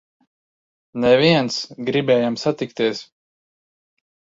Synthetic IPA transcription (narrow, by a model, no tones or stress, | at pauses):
nɛviɛnsɡɾibɛːjamsat̪ikt̪iɛs